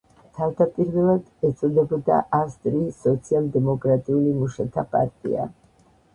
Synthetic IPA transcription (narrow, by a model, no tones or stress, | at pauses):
t̪ʰavd̪apʼiɾvɛlˠad̪ɛt̪sʼɔd̪ɛbɔd̪a̰ʔast̪ʼɾisɔt̪sʰialˠd̪ɛmɔkʼɾat̪ʼiulimuʃat̪ʰapʼa̰ɾt̪ʼḭa̰